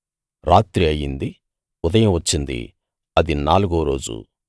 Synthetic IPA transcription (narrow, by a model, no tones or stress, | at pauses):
ɾaːt̪ɾiɐjːind̪i | ʊd̪ɐjɐmʋɐt͡ʃːind̪ḭ | ɐd̪inaːluɡoːɾo̞ːd͡ʒṵ